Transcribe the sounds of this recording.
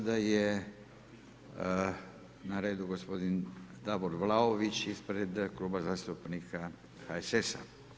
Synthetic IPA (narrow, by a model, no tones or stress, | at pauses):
d̪aje | naɾe̞ːd̪uɡospo̞d̪ind̪aboɾʋlaoʋit͡ɕispɾe̞d̪klˠuːbazaːst̪upnikʰa | xaesesa